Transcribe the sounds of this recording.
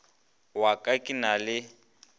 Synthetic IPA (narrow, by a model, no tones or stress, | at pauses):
wakʼakʼinalɪ